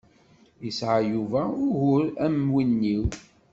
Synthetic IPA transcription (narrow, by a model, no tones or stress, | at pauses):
jəsʕajuvæʊɾʝʊɾæmwinːiw